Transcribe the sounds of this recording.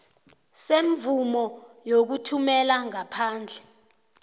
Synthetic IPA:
seɱvumɔjok̬utʰumɛlaŋapʰaːnd͡ɮʱɛ

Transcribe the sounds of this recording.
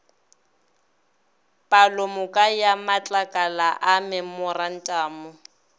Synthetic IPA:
pʼalʊmʊkʼajamat͡ɬʼakʼalaʔamɪmʊran̩tʼaːmʊ

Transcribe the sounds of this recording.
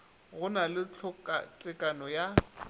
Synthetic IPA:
ɣʊnalɪt͡ɬʰʊkʼa̰t͡sʼɪkʼanɔja

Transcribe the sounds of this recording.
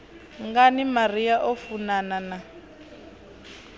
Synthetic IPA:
ŋɡanimariaʔɔfunanana

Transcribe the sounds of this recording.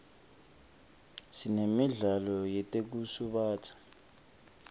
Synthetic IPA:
sinemiɮalɔjɛtʼek̬usuɓaːtʰḁ

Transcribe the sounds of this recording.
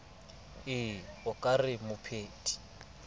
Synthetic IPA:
ɪɔkʼarɪmʊpʰeːtʼi̥

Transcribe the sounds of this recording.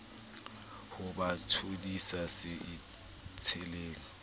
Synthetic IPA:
hʊbatʰudisasɪɪ | t͡sʰɛleːŋ̩

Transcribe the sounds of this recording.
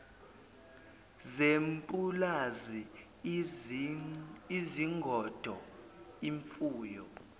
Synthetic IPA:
zempʼulazi | iziŋɡʱɔd̥ʱɔ | iɱfuːjɔ

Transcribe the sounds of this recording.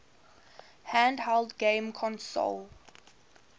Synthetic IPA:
hæ̃ndhɛldɡẽɪmkʰɔ̃nso̰l

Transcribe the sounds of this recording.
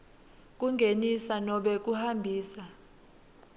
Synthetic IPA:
k̬ʼuŋɡʱenisanɔɓɛk̬uhambʱiːsa

